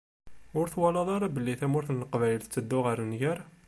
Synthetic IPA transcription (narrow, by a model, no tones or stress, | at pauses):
ʊɾθwɑlɑðˤɑɾˤɑbəlːiθæmʊɾθnəlqvæjəlθt͡sːəd̪ːʊʁəɾnjæɾ